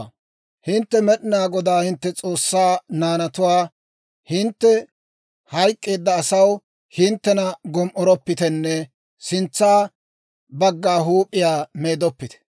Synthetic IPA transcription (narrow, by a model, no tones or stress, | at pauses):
hɪnt̪ːɛmɛɗɪnaːɡɔd̪aːhɪnt̪ːɛt͡sʼoːsːaːnaːnɐt̪ʊwaː | hɪnt̪ːɛ | hɐjkʼːe̞ːd̪ːɐːsɐw | hɪnt̪ːɛnɐɡɔmʔɔɾɔpːɪt̪ɛnːɛ | sɪnt͡sːaː | bɐɡːaːɦuːpʼːɪjaːmeːd̪ɔpːɪt̪ɛ̥